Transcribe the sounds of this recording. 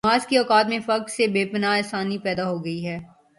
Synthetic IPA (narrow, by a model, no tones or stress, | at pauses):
aːzkiɔːkaːt̪mẽfɐksebeːpənaɛːsaːnipɛːd̪aɦoːɡɐiɦɛː